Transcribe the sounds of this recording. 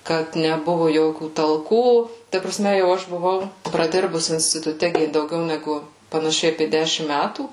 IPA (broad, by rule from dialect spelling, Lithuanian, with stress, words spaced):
ˈkɐt nʲɛˈbʊʋʊ ˈjoːkʲuː tɐlˠˈkuː tɐ prɐˈsʲmʲɛ jɛʊ ˈɐʃ bʊˈʋɐʊ prɐˈdʲɪrbʊs ɪnʲsʲtʲɪtʊˈtʲɛ ˈɡʲɪ dɐʊˈɡʲɛʊ nʲɛˈɡʊ pɐnɐˈʃʲɛɪ ɐpʲeː ˈdʲæːʃʲɪm ˈmʲætuː